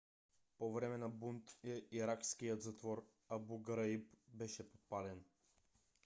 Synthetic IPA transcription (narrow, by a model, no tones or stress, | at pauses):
povɾɛmɛnabunt̪iiɾakskijət̪zat̪vɔɾ | abuɡɾaipbɛʃɛpotpalɛn